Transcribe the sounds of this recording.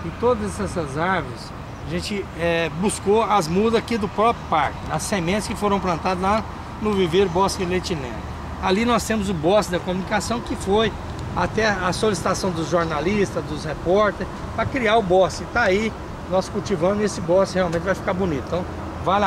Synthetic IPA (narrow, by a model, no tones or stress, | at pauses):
ẽt̪od̪ɐzɛsɛsɐzaɾvʊɾɪs | aʒẽnt͡ʃɪɛbuskoɐzmud̪ɐzakid̪ʊpɾɔpɾjʊpaɾkɪnɐsːemẽt̪ɪskɪfoɾɐ̃w̃plɐ̃nt̪ad̪ʊzla | nʊviveɾʊbɔsilet͡ʃinɛ̰̃nʊ | alinɔst̪ẽmʊzʊbɔsɪd̪ɐkomunikasɐ̃w̃kɪfoj | at̪ɛɐsolisi̥t̪asɐ̃w̃d̪ʊzʒoɾnalist̪ɐzd̪ʊshepɔɾt̪eɾs | pɾɐkɾiaɾʊbɔsɪɪt̪aai | nɔskuwt͡ʃivɐ̃d̪ʊesɪbɔsɪheawmẽt͡ʃɪvajfi̥kaɾbũnit̪t̪ɐ̃w̃ | val